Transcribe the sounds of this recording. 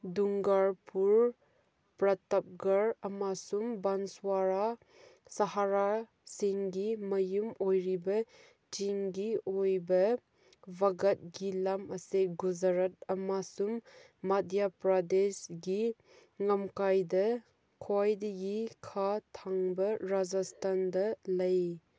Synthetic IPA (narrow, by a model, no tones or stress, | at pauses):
duŋɡaɾpuɾ | pɾɐtɐp̚ɡɐɾɐmasumbanswaɾa | sɐɦaɾa | siŋɡimɐjumojɾibɐ | t͡ʃiŋɡiojbɐ | baɡɐt̚ɡilamɐseɡuzɐɾɐt̚ɐmasumː | adjapɾadesɡi | ŋɐmkajdɐ | kʰoajdɐɡikʰatʰaŋbɐɾad͡ʒastʰandɐlɐj